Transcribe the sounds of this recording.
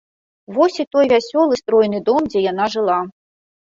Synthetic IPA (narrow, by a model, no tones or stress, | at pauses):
vɔsʲit̪ɔjvʲasʲɔlˠɨst̪ɾɔjnɨd̪ɔmd͡zʲɛjanaʐɨlˠa